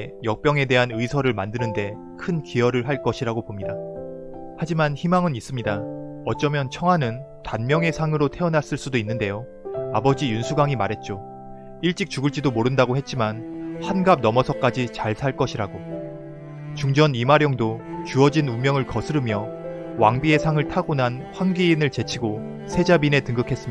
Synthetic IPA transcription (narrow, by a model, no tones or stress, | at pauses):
jʌk̚p͈jʌŋe̞de̞ɦanɯisʰʌɾɯɭmandɯnɯnde̞ | kʰɯnkiʌɾɯɭɦaɭk͈ʌɕʰiɾaɡopomɲida | had͡ʑimançimaŋɯnis͈ɯmɲida | ʌt̚t͡ɕ͈ʌmjʌnt͡ɕʰʌŋɦwanɯn | tanmjʌŋe̞sʰaŋɯɾotʰe̞ʌnas͈ɯɭs͈udoinːɯnde̞jo | abʌd͡ʑijunsʰuɡaŋimaɾɦe̞t̚t͡ɕ͈o | iɭt͡ɕ͈ik̚t͡ɕuɡɯɭt͡ɕ͈idomoɾɯndaɡohe̞t̚t͡ɕ͈imanhanɡab̚nʌmʌsʰʌk͈ad͡ʑit͡ɕaɭsʰaɭk͈ʌɕʰiɾaɡo | t͡ɕuŋd͡ʑʌnimaɾjʌŋdot͡ɕuʌd͡ʑinumjʌŋɯɭkʌsʰɯɾɯmjʌ | waŋbie̞sʰaŋɯɭtʰaɡonanɸwanɡiːnɯɭt͡ɕe̞t͡ɕʰiɡo | sʰe̞d͡ʑabine̞tɯŋɡɯkʰe̞s͈ɯmɲia